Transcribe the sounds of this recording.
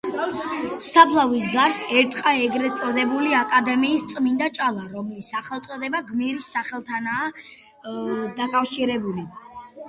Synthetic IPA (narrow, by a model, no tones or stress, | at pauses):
sapʰlˠavis̬ɡaɾsɛɾt̪ʰʼqʼaɛɡɾɛt̪sʼɔd̪ɛbuliakʼad̪ɛmiːst̪sʼmind̪at͡ʃʼalˠaɾɔmlisaχɛlˠt̪sʼɔd̪ɛbaɡmiɾisːaχɛlˠt̪ʰanaː | d̪akʼafʃiɾɛbuli